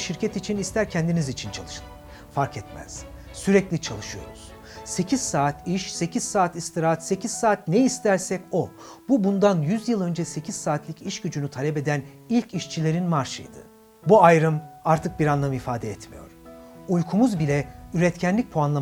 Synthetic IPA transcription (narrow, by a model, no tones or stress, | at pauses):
ʃiɾcʰɛt̪it͡ʃʰinist̪ʰæɾcʰɛnd̪inizit͡ʃʰint͡ʃʰalˠɯʃɯlˠɯ | faɾkʰɛt̪mæ̰z̥ | syɾɛclʲit͡ʃʰalˠɯʃɯjo̞̰ɾuz̥ | se̞cʰiz̥saːt̪iʃse̞cʰiz̥saːt̪ist̪ʰiɾat̪se̞ciz̥saːt̪nɛist̪ʰæɾsɛco̞ | bubund̪anjyzjɯlˠø̞nd͡ʒɛse̞cʰiz̥saːt̪lʲiciʃɟyd͡ʒynyt̪ʰalʲɛpe̞d̪æn | ilʲcʰiʃt͡ʃʰilʲe̞ɾinmaɾʃɯ̰jd̪ɯ̰ | buajɾɯmaɾt̪ʰɯk̚biɾanlˠamifaːd̪ɛɛt̪mijo̞̰ɾ̥ujkʰumuzbilʲɛyɾɛt̪cʰænlʲic̚pʰoanlˠa